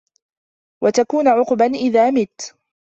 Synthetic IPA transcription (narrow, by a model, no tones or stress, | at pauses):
wat̪akuːnʕʊqbanʔɪðaːmɪt̪